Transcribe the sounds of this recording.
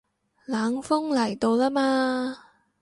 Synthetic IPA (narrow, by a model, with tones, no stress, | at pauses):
laː˨˥ŋfʊ˥ŋlɐ˨˩jt̪o˧wlaː˥maː˧